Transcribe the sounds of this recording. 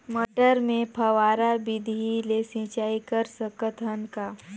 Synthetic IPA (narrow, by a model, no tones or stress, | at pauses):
məʈəɾmẽpʰəʋaːɾabɪd̪ʱilesĩːt͡ʃaːikəɾsəkət̪ʰənkaː